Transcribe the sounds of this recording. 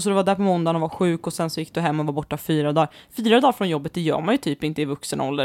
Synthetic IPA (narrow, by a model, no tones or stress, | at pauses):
sɔd̪ɛvaɖ̪æːɾpɔmɔnd̪anɔvaɧʉ̟ːkɔsɛnsɔjɪk̚ːd̪ɵɦɛmːɔvabɔʈːafyːɾad̪ɑːɾfyːɾad̪ɑːɾfɾɔnjɔbːət̪̚d̪ɛjœ̰ːɾmanjɵt̪ʰyːpɪnt̪əɪvɵksən̰ɔ̰ld̪ə